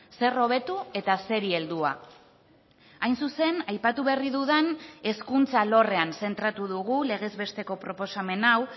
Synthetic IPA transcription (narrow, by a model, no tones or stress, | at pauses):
se̞ro̞β̞e̞t̪ue̞t̪ase̞ɾie̞ld̪ua̰ | ajnsuse̞najpat̪uβeriðuðene̞skunt͡salo̞re̞anse̞nt̪ɾat̪uðuɣ̞ule̞ɣ̞e̞zβe̞st̪e̞ko̞pɾo̞po̞same̞naw